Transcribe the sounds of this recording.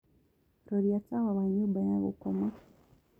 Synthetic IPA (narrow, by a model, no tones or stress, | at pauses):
ɾoɾjatawaβaɲubaɲaβṵkoma